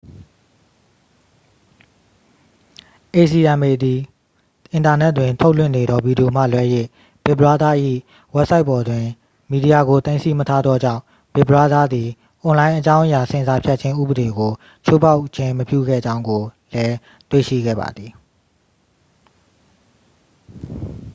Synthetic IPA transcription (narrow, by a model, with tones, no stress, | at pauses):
ʔe˨si˨ʔã˨me˨d̪i˨ | ʔɪ̃˨nta˨nɛ˦tːwɪ̃˨ntʰo˦ʊlwɪ̰̃˦˨ne˨d̪ɔ˦vi˨di˨jo˨m̥ä̰˦˨lwɛ˦jḛ˦˨ | b̥ɪ˨bəɹa˦d̪a˦˨ʔḭ˦˨ | wɛ˦psa˦ɪʔpːɔ˨dwɪ̃˨ | mi˨di˨a˨ɡo˨t̪ẽ˦ɪ̃nsi˦mətʰa˦d̪ðɔ˦d͡ʑã̰˦˨ʊ̃ | b̥ɪ˨bɹa˦d̪a˦d̪i˨ | ʔɔ̃˨lã˦ɪ̃ʔə˦t͡ɕã˦ʊ̃ʔəja˨sɪ̃˨nza˦pʰja˦t̚t͡ɕʰɪ̃˦ʔṵ˦˨bə˨ɾe˨ɡo˨ | t͡ɕʰo˦pʰa˦ʊʔt͡ɕʰɪ̃˦məpjṵ˦˨ɡɛ̰˦˨d͡ʑã˦ʊ̃ŋɡo˨ | lɛ˦ | t̪wḛ˦˨ʃḭ˦˨ɡɛ̰˦˨ba̰˨d̪ði˨